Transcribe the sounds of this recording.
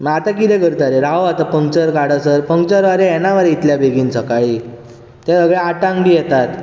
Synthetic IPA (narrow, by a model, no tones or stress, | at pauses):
məat̪akid̪ɛ̃kəɾt̪aɾeɾaat̪apəŋt͡ɕəɾkaɽəsəɾpəŋ̚t͡ɕəɾʋaɾeɛnaʋaɾit̪ljabeɡiːnt͡səkaɭi | t̪ɛ̃səɡɭeaʈãŋɡbʱiːjɛt̪at̪